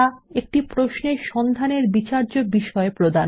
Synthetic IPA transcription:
aek̚ʈipɾoʃneɾʃɔnd̪ʱaneɾbit͡ɕaɾd͡ʑobiʃɔepɾod̪a

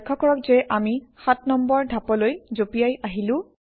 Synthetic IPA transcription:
kʰːɔkɔɹɔk̚zɛʔamixatnɔmbɔɹdʱapɔlojzopijajaɦilʊ̃

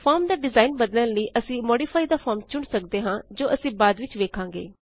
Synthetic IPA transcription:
pʰaːɾmd̪aːɖɪzaːɪnbəd̪lələiːʔəsĩːmɔːɖiːpʰaːiːd̪aːpʰɔːɾmt͡ʃʊɳsəkd̪eːɦãːd͡ʒoːʔəsĩːbaːd̪ʋɪt͡ʃʋeːkʰãːŋɡḛː

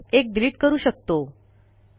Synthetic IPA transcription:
ek̚d̪ɾiːʈkəɾuːɕək̚t̪o

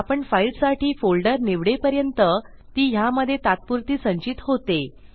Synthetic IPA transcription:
apəɳfailʈsaʈʰiːfolɖəɾneʋɽepəɾjənt̪ə | t̪iːɦjaməd̪ʱːjet̪at̪̚puɾt̪iːsəɲt͡ɕit̪ɦot̪e

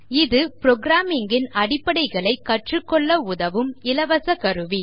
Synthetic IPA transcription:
ɪðɯpɾɔɡɾaːmɪŋɡɪnɐɽɪpːɐɽɐɪɣɐɭɐɪkːɐʈrɯkːɔɭːɐʊðɐʋɯmɪlɐʋɐsɐkɐɾɯʋi

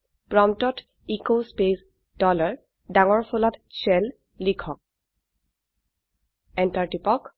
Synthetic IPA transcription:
pɹɔmtɔt | ikospes | dɔlaɹ | daŋɔɹpʰɔlɔtsɛlː | ikʰɔk̚ | ɛntaɹtipɔk

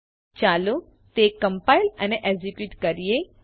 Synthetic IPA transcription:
t͡ʃalu | t̪ekə̃mpailəneʔed͡ʒikjuʈkəɾije

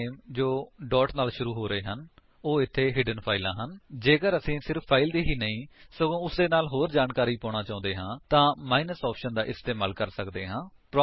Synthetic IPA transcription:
md͡ʒoːɖɔːʈnaːlʃʊɾuːɦoːɾəeːɦən | oːɪt̪ʰːeːɦɪːɖənpʰaːilã̰ːɦənd͡ʒeːɡəɾəsĩːsɪɾpʰːaːɪld̪iːɦiːnəĩːsəɡõːʊsd̪eːnaːlɦoːɾd͡ʒaːnkaːɾiːpɔ̃ːɽ̃ãːt͡ʃãːʊ̃nd̪eːɦãːt̪ãːmaːinəsɔːpʰʃənd̪aːʔɪst̪eːmaːlkəɾsəkd̪eːɦãː | pɾː

